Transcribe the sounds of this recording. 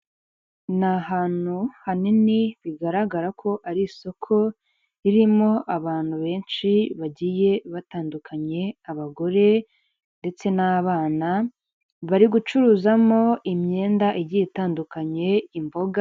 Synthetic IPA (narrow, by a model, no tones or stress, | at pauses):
nahaːn̥uhaniniβiɡaɾaɡaɾakʰo̞ʔaɾiso̞kʰo̞ | iɾimo̞ʔaβaːn̥huβe̞ːnʃiβaɟije̞βataːndukʰaɲe̞aβaɡo̞ɾe̞ | nde̞t͡se̞naβaːna | βaɾiɡut͡ʃuɾuːzamo̞imɲe̞ːndaʔiɟijetaːndukaɲe̞imbo̞ɡa